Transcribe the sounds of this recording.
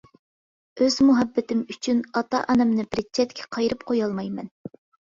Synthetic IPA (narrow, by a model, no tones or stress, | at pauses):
øz̥muɦɛbːɪt̪ɪmyt͡ʃʰynɑt̪ɑ̰ʔɑnɛmnɨbɾɪt͡ʃʰːɛt̪kʲʰɛ̥qʰɑjɾɨpqʰojɑlˠmɑjmɛn